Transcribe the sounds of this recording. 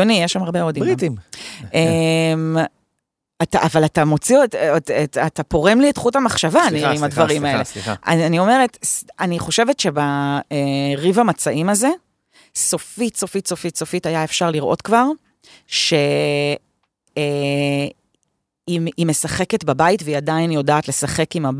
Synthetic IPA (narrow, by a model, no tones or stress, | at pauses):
onijeʃamaʁbeod̪it̪imem | ataʔavalatamo̞t͡siottatapo̞ʁemlietχutamaχʃavanniimadvaʁimaeleia̰anio̞me̞ʁetsaniχo̞ʃevetʃe̞baeʁivamat͡saʔimaze̞ | so̞fitso̞fitsofitso̞fitajaefʃaʁliʁʔo̞tkvaʁ | ʃe̞ | iime̞saχe̞ke̞tbabaitveiadainjo̞daːtle̞saχe̞kima